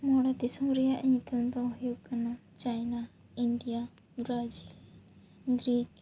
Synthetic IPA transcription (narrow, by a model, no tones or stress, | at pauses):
moːɽad̪isɐ̃mɾijaʔt̪ənd̪aʊɦjoːɡkɐnat͡ʃaːjna | ɪɳɖija | ɾaːd͡ʒiːl | ɡɾiːk